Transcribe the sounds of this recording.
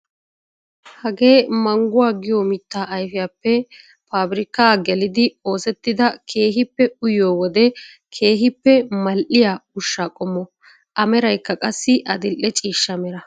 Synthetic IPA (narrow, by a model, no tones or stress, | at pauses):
hɐɡe̞ːmɐŋɡʊwaːɡɪjoːmɪt̪ːaːʔɐjfɪjaːpːɛ | paːbɪɾɪkːaːɡɛlɪd̪ɪo̞ːsɛt̪ːɪd̪ɐkʰe̞ːɦɪpːɛʊjoːwɔd̪ɛ | kʰe̞ːɦɪpːɛmɐlʔɪjaːʊʃːakʼɔmːɔ | ʔɐmɛɾɐjkːɐkʼɐsːɪʔɐd̪ɪlʔːɛt͡ʃʼiːʃːɐmɛɾɐ